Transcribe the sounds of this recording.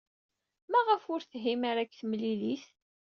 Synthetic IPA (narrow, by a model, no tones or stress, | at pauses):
mæʁəfʊɾθɦimaɾækːθmlilis